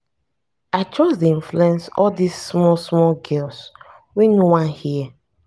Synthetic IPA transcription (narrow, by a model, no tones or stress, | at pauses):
aɪtɹɔsdiĩnfluuɛ̃nsɔldisːmɔsmɔlɡɛls | winowãnhiɛ